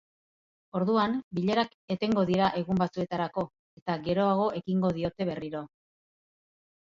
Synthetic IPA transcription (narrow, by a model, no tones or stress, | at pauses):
o̞ɾðuambiʎe̞ɾak | e̞t̪e̞ŋɡo̞ðiɾaʔe̞ɣumbat͡sue̞t̪aɾako̞ | e̞t̪aɡe̞ɾo̞aɣ̞o̞ʔe̞kiŋɡo̞ðio̞t̪e̞β̞e̞riɾo̞